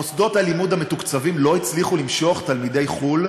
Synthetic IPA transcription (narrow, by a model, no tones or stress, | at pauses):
osdo̞thalimudhame̞tukt͡savimlo̞it͡sliχulimʃo̞χt̪almide̞jχul